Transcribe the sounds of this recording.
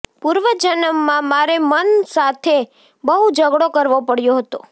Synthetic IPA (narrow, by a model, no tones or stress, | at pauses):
puɾʋəd͡ʒənəmːãmaɾemənsat̪ʰe | bəɦud͡ʒəɡɽokəɾʋopəɽjoɦət̪o̰